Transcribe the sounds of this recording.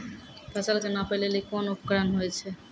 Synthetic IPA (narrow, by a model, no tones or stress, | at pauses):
t̪at͡ɕalkenapelelikonopkɾanɦojet͡ɕʰe